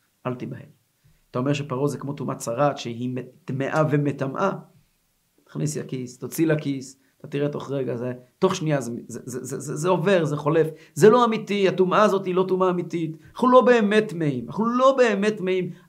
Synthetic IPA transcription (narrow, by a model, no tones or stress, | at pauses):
ʔalt̪ibahe̞̰m | at̪aomeʁʃ̬epaʁozekmo̞t̪umʔat͡saʁat̪ʃeɦimet̪meʔave̞met̪amʔa | t̪ḁχnistakisat̪ot͡silakis | at̪at̪iʁet̪o̞χʁeɡazeto̞χʃniazezezezezezeo̞ve̞ʁzeχo̞le̞f | zelo̞amit̪ihatumaːzo̞tilo̞tumaːmit̪it̪aχulo̞be̞ːmet̪mehimaχulo̞beːme̞tmehim